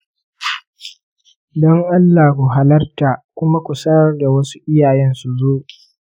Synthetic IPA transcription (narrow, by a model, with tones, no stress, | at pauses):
dɔ˦ŋʔa˦lːa˨kʷu˨ɦa˦lɐ˦rta˨kʷʊ˦ma˦kʷʊ˨sɐ˦ɐ˦rda˨wɐ˦su̥˦ʔɪ˦jaː˨jɛ˦nsu˨zoː˦˨ʔ